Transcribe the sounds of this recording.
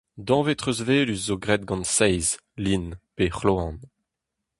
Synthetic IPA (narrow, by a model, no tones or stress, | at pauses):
d̪ɑ̃ːvet̪χøzveːlysːoɡʁɛt̪̚ɡɑ̃nsɛjz | linpeχloɑ̃n